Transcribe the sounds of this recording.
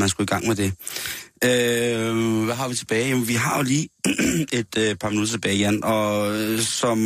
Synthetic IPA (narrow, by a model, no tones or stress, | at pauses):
ænsɡ̥uiɡ̥ɑ̈ŋ̰med̥e̝ | ø | ʋæɦɑ̈ʋit͡sʰe̝b̥ɛːɪjæmnʋiɦɑ̈oliːe̝d̥øpʰɑ̈minud̥ɐt͡sʰe̝b̥ɛːɪjenɒ̽sɒ̽m